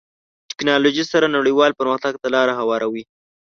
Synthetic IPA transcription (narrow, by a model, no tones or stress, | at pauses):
ʈɪ̥knɑloʒisaɾanaɽiwɑlpəɾməxt̪aɡt̪alɑɾaɦawɑɾʔawi